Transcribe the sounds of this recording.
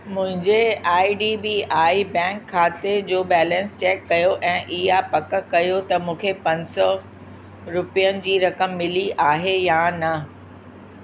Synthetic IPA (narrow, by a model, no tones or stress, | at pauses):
mʊ̃ɦɪ̃ɲd͡ʑeaːiɖiːbiaːibɛ̃ːŋkʰːaːt̪ed͡ʑoːbɛːlɛ̃nst͡ɕɛːkːɐjoʔɛ̃ːʔɪɦapɐk̆kɐjot̪ɐmũːkʰepɐ̃ɲsɔ | ɾʊpijənɪ̆d͡ʑiːɾɐkəmːɪliʔaːɦejanɐ